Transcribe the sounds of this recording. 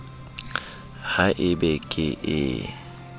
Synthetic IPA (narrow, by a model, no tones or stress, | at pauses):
haʔɪbɛkʼɪʔɪ